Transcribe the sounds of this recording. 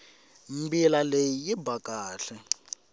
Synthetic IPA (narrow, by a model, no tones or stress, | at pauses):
mbilalejijibakaːɬɛ